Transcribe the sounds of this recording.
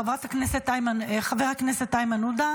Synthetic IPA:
avʁat̪hakneset̪ːajmaχaveʁhakneset̪ːajmanud̪a

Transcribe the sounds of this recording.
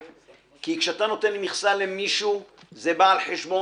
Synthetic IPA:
kikʃeat̪ano̞t̪e̞nlmiχsalemiʃu | zebaːlħeʃbo

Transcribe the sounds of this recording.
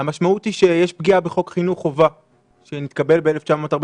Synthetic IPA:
amaʃmautiʃejeʃp̚ɡiabe̞χo̞kχinuχova | ʃenit̪̚kabe̞lbeele̞ft͡ʃamo̞ːtaʁb

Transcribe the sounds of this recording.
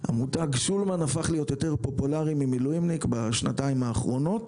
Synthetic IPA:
ha̰mutaɡsulmanafaχlijo̞t̪jo̞te̞ʁpo̞pulaʁimimilujimnikbaʃna̰taimaːχʁo̞no̞t

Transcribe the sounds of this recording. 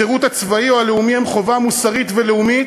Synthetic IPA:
eʁut̪at͡svaioaleumihemχo̞vamusaʁit̪veleumi

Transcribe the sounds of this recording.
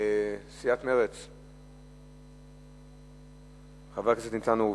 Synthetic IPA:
siat̪meʁet͡s | χavakaset̪nimt͡sanu

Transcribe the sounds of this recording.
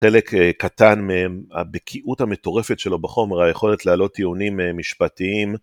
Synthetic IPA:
χe̞lekkːatanmeema̰bekʰiʔuthame̞to̞ʁe̞fetʃe̞lo̞baχo̞meʁajeχo̞letlealo̞t̪ːiunimemːiʃpatiim

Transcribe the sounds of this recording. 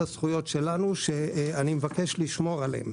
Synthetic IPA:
asχujo̞tʃe̞lanuʃeanimevake̞ʃliʃmo̞ʁalḛm

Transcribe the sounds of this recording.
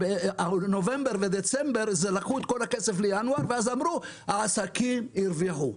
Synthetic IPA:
eanove̞mbeʁved̪et͡sembeʁzelakut̪kolakeseflejanuaʁveazamʁuhaasakimiɾviħu

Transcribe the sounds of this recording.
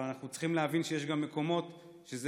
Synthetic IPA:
anaχnut͡sχimleavinʃejeʃɡamːe̞ko̞mo̞t̪ | ʃeze

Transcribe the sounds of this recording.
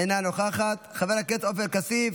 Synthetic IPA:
enanoχaχat̪χaveʁhaket̪ofelkasiv

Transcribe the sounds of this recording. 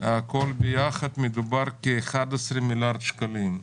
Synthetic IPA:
akolbejaχad̪med̪ubaɾkeːχad̪asɾemilaɾd̪ʃkalim

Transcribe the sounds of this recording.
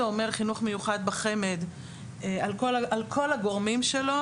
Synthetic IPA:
eome̞ʁχinuχme̞juχad̪̚baχe̞me̞d̪ | ealko̞laʔalkʰo̞laɡo̞ʁmimʃelo̞

